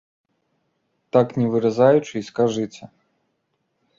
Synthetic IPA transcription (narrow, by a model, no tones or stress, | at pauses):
t̪aknʲɛvɨɾazajut͡ʂɨiskaʐɨt͡sʲɛ